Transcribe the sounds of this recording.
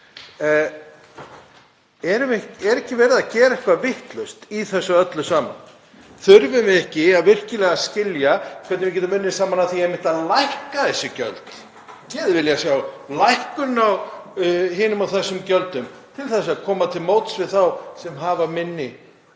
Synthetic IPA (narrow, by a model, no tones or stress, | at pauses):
ɛɾʏɛɛɾɛhcɪvɛːɾɪðacɛːɾaɛhkvavɪht̪lœɥst̪iθɛsːʏœt̪lʏsaːma̰n | θʏɾvʏmɪɛhcɪaðvɪr̥cɪlɛɣascɪljakʰvɛt̪nɪvɪc̬ʲɛt̪amɪnːɪsaːmanaθiejmɪnt̪aðlajhkaθɛsːɪcœ̰lt̪ | cɛːðvɪljasjawlajhkʏnaw | hɪːnʏmawθɛsːʏmcœlt̪ʏmt̪ʰɪlθɛsːʏaðkʰɔːmat̪ʰɪlmoːwt̪svɪðθawsɛmɦaːvamɪnːɪ